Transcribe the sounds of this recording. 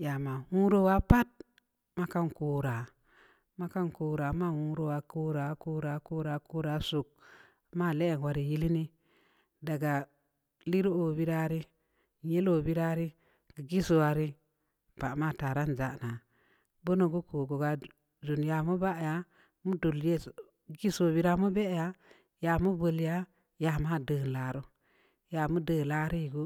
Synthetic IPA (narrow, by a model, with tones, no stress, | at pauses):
ja˨ma˨hu˦ɾo˦wa˦pa˦t̚ | ma˦ka˦nkuː˦ɾa˨ | ma˦ka˦nku˨ɾa˨˦ma˦˨hu˦ɾo˦˨wa˨ku˦ɾa˨˦kuː˦ɾa˨˦ku˦ɾa˨˦ku˦ɾa˨˦su˨k̚ | ma˦˨le˦e˨nwa˦ɾi˨ji˦li˦ni˦ | da˨ɡa˨ | li˦ɾo˦o˨bi˦ɾa˦ɾi˦˨ | je˦lo˨bi˦ɾa˦ɾi˦ | ɡə˨ɡi˦so˨a˨ɾi˦ | pa˨ma˦˨ta˨ɾa˦n˨d͡ʒa˦˨na˨ | bo˦no˨ɡu˦ko˨ɡo˨ɡa˨ | d͡ʒu˨nja˨mu˦ba˦ʔja˨ | mu˦do˨lje˦ | ɡi˦so˨bi˦ɾa˦mu˦be˦ja˦ | ja˨mu˦bə˨lja˦ | ja˨ma˦˨də˨n˨la˨ɾo˦ | ja˨mu˦dəː˨la˦ɾi˦˨ɡo˦